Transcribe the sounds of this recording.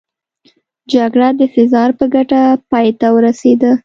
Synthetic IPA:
d͡ʒaɡɽad̪əfɪzɑɾpəɡaʈapɑjt̪awəɾased̪a

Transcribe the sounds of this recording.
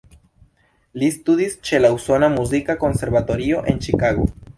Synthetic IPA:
listud̪ist͡ʃe̞lauso̞namuzikako̞nse̞ɾbato̞ɾio̞ʔe̞nt͡ʃikaɡo̞̰

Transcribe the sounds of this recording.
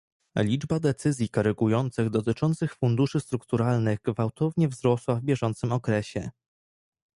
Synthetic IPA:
lʲid͡ʐbad̪ɛt̪sɘzʲjikɔɾɛɡujɔnt̪sɘɣd̪ɔt̪ɘt͡ʂɔnt̪sɘxfund̪uʂɘst̪ɾukt̪uɾalnɘɣɡvawt̪ɔvɲɛvzɾɔswavbʲjɛʐɔnt̪sɘmɔkɾɛɕɛ̰

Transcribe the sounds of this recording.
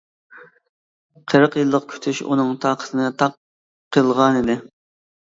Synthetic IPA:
qʰəɾəqjɨlˠːəqkʲʰy̥t̪ʰyʃṵnɨŋt̪ʰɑːqʰə̥t̪ʰɨnɨt̪ʰɑqʰː | əlˠʁɑnɨd̪ɪ

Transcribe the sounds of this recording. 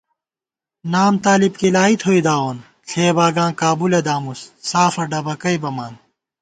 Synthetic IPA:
naːmt̪aːlib̚kilaːit̪ʰɦoid̪aːoːn | ɬʰeːbaːɡãːkaːbuled̪aːmussaːfɐɖɐbɐkɐibɐmaːn

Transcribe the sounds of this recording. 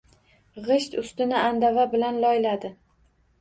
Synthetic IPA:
ʁɨʃt̪ʊst̪ɪnɪand̪avabɪlanlɒjlad̪ɪ

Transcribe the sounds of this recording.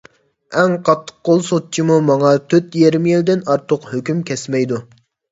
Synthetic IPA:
ɛŋqʰɑt̪ʰːə̥q̚ːolˠsot̪̚t͡ʃʰimumɑŋɑt̪ʰøt̪jeɾmjild̪ɪnɑɾt̪ʰʊqhøkʲymkʲʰɛsmɛjd̪u

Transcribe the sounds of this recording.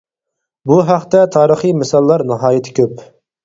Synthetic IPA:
buɦɑqt̪ɛt̪ʰɑːɾəχimɪsɑlˠːɑɾnɑɦɑːjɪt̪ʰɪ̥kʲøp

